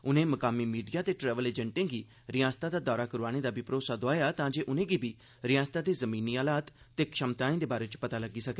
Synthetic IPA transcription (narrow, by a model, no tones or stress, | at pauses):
ʊnẽːməkaːmiːmiːɖijaːt̪eːʈɾɛːʋəleːd͡ʒə̃ɳʈɪ̃ŋɡiː | ɾɪjãːst̪aːd̪aːd̪aːɾaːkəɾaːɽ̃eːd̪aːbɪpɾoːsaːd̪oaːjaːt̪ãːd͡ʒeːʔʊnẽːɡiːbiː | ɾɪjãːst̪aːd̪eːzəmiːniːaːlaːt̪ːeːkʃəmt̪aːẽːd̪eːbaːɾeːt͡ʃpət̪aːləɡiːsəkeː